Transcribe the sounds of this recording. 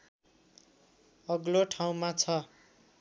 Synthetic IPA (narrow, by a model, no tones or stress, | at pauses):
ʌɡloʈʰaw̃mat͡sʰʌ